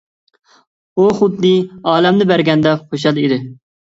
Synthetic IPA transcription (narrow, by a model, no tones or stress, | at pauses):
uχʊd̪nɨɑːlɛmnɪbæɾɡʲɛnd̪ɛχoʃɑlˠid̪ɪ